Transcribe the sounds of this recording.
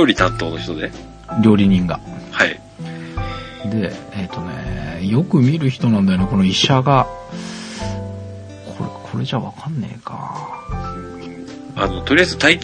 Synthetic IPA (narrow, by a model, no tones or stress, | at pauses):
oːɾʲit̪ãnt̪o̞ːnoçi̥t̪o̞d̪e | ɾʲo̞ːɾʲiɲ̟ĩŋɡa̰hai | d̪e̞ːt̪o̞nḛjo̞kɯ̟mʲiɾɯ̟çi̥t̪o̞nãnd̪ajoneko̞no̞iɕaɡa | kʰo̞̰ɾekʰo̞ɾe̞ʑaβa̰kanːe̞̰ika̰ | ano̞t̪o̞ɾʲiazɨt̪ai